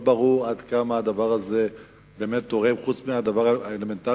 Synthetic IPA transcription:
baʁuʁad̪kamaːd̪avaʁaze̞ | be̞me̞t̪̚ːoʁemχut͡smiad̪avaʁaeleme̞nt̪a

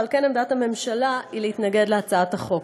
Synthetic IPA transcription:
alkenemd̪atame̞mʃalaileit̪naɡe̞d̪leat͡saathaχo̞k

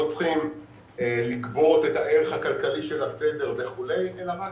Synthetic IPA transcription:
t͡sχim | elikbo̞t̪e̞taʔe̞ʁeχhakalkaliʃe̞lat̪ede̞ʁveχule̞jelama

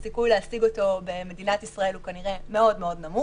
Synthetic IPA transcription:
sikujleasiɡo̞to̞be̞me̞dinatisʁae̞lukaniʁe̞me̞o̞dmeo̞dnamu

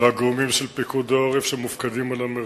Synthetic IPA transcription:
aɡʁomimʃelpikud̪aoʁefʃemufkad̪imalame

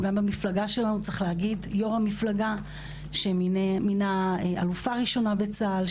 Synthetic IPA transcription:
ɡambamiflaɡaʃe̞lanut͡saχleɦaɡidjo̞ʁamiflaɡa | ʃeiminaea̰lufaʁiʃo̞nabe̞t͡saːl

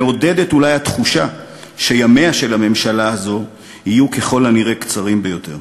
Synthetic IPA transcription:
eo̞de̞de̞tulajhat̪χuʃa | ʃe̞jame̞aʃe̞lame̞mʃalaazo̞ | hijuke̞χo̞laniʁe̞kt͡saʁimbe̞jo̞te̞ʁ

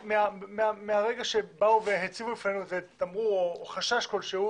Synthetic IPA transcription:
meameameaʁe̞ɡaʃe̞bauveɦet͡sivuifnenuzet̪amʁuoχaʃaʃko̞lʃehu

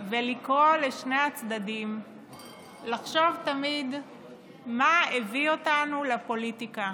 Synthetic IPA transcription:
velikʁo̞leʃne̞jat͡sd̪adim | laχʃo̞vtamid̪ | maevio̞tanulepo̞litika

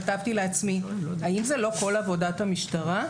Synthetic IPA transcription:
atavt̪ileat͡smiaimzelo̞ko̞lavo̞dat̪hamiʃtaʁa

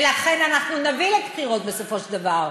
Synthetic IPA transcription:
laχenanaχnunavilekχiʁot̪̚besofoʃld̪avaʁ

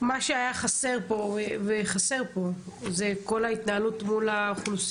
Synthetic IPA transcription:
maʃeajaχase̞ʁpo̞veveχase̞ʁpo̞zeko̞lait̪naalutmulaχlus

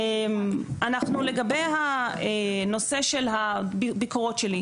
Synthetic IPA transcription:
manaχnuleɡabe̞jɦaeno̞se̞ʃelɦabbikoʁo̞tʃeli

